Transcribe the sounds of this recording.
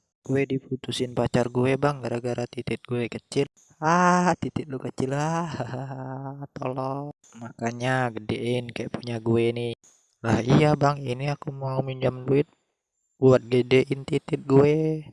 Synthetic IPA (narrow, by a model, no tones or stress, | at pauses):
ɡ̥uɛdiput̪usɪnpat͡ʃarɡuebaŋɡaɾaɡaɾat̪it̪ɪt̪̚ɡuɛkət͡ʃɪl | at̪it̪ɪt̪̚lukət͡ʃɪlahɦ | t̪o̰lɔ | makaɲaɡədeʔɪnkajaʔpuɲaɡueni | lahijabaŋiniakumaumiɲd͡ʒamluɪt̪̚ | buat̪̚ɡedɛʔɪnt̪it̪ɪt̪̚ɡuɛ